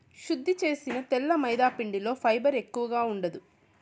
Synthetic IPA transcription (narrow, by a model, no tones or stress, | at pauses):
ʃud̪ʱːit͡ʃe̞ːsinɐt̪ɛlːɐmɐjd̪aːpiɳɖilo̞ːpʰɐjbɐɾe̞kːuʋɐɡaːuɳɖɐd̪u